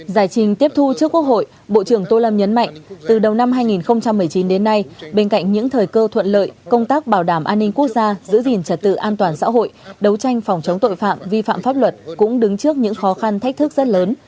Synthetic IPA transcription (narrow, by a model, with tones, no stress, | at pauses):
zaː˨˩jt͡ɕï˨˩ŋ̟t̪i˦˥əp̚t̪ʰu˧t͡ɕɨ˦˥əkːwək̚ho̰˧˨j | ɓo̰˧˨t͡ɕɨ˧˩əŋt̪o˧lə˧mɲə˨˦nma̰˧˨jŋ̟t̪ɨ˨˩ɗə˨˩wna˧mɦaː˧jŋi˨˩nxə˧wŋ͡mt͡ɕa˧mːɨ˨˩əjt͡ɕi˨˦nɗe˨˦nːa˧jɓe˧nka̰˧˨jŋ̟ɲɨ̰˧˥ŋt̪ʰəː˨˩jkəː˧t̪ʰwə̰˧˨nlə̰ː˧˨jkə˧wŋ͡mt̪aː˦˥k̚ɓaː˧˩wɗaː˧˩mʔaː˧nːï˧ŋ̟ku˦˥ək̚zaː˧zɨ̰˧˥zi˨˩ənt͡ɕə˨˩t̚t̪ɨ̰˧˨ʔaː˧nt̪waː˨˩nsa̰ː˧˥ɦo̰˧˨jɗə˨˦wt͡ɕa˧jŋ̟fa˨˩wŋ͡mt͡ɕə˨˦ŋ͡mt̪o̰˧˨jfa̰ː˧˨mvi˧fa̰ː˧˨mfaː˦˥p̚lwə˨˩t̚kʊ̰˧˥ŋ͡mɗɨ˨˦ŋt͡ɕɨ˦˥ək̚ɲɨ̰˧˥ŋxɔ˨˦xa˧nt̪ʰk̟̚t̪ɨ˦˥k̚zə˦˥t̚ləː˨˦n